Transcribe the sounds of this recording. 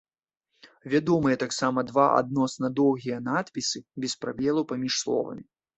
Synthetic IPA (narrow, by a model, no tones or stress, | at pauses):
vʲad̪ɔmɨjɐt̪aksamɐd̪vaʔa̰d̪̚nɔsnɐd̪ɔwɣʲijɐnat̪pʲisɨbʲɛspɾabʲɛlˠupamʲiʂslˠɔ̰vɐ̰mʲi